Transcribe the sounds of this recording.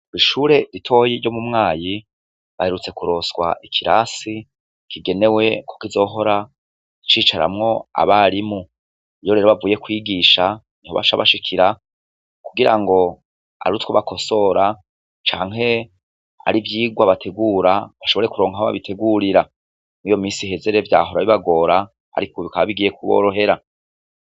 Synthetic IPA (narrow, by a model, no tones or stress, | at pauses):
iʃuːɾe̞ɾitʰo̞ːjiɾɟo̞mumŋaːji | βahe̞ɾut͡se̞kuɾo̞swa̰ʔikʰiɾa̰si | kiɡe̞ne̞we̞kʰokizo̞ːɦo̞ɾa | it͡ʃiːt͡ʃaɾa̰mŋo̞a̰βaɾimu | ijo̞ɾeɾo̞βavuːje̞kwiːɡiʃa | nihoβa̰ʃaβaʃikʰiɾa | kuɡiɾa̰ŋɡo̞ | a̰ɾutwoβakʰo̞so̞ɾa | t͡ʃaːŋɦe̞ | a̰ɾivjiːɡwaβatʰe̞ɡuːɾaβaʃo̞βo̞ɾekuɾo̞ːŋhahoβa̰βitʰe̞ɡuɾiɾa | nijo̞miːsiɦe̞ze̞ɾe̞vja̰ːɦo̞ɾaβiβaɡo̞ːɾa | a̰ɾikoβikaβaβiɡiːje̞kuβo̰ːɾo̞ɦe̞ɾa